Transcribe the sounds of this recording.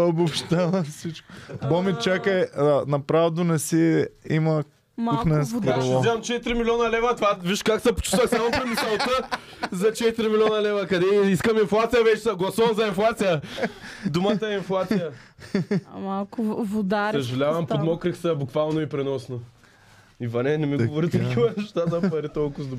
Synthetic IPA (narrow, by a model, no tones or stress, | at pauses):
obopʃt̪alˠəsit͡ʃkʊbɔmit͡ʃakəɛnɐpɾavd̪ʊnɛsɛimɐ | munɛnsɾˠɔzʲaɐmt͡ʃɛt̪iɾimilʲɔnɐlɛvɐt̪ovaviiʃkaksɐpʊ̥t͡ʃu̥əxsamʊpɾimisəlˠt̪ə | zɐt͡ʃɛt̪iɾimilʲiɔnɐlɛvɐkɐd̪ɛiskɐminflˠat̪sijɐvɛt͡ʃɛ̥sɐɡlˠɐsuvɐmzɐinflˠat̪sijɐ | d̪umat̪ɐɛinflˠat̪sijɐ | malˠkʊvʊd̪aɐʒɐlʲavɐmpod̪mɔkɾiksɐbʊkvalˠnoipɾɛnɔsno | ivɐnɛnɛmiɡʊvoɾit̪ɐkʰʲivɐnɛʃt̪azɐpɐɾit̪ɔlˠkʊzd̪ʊ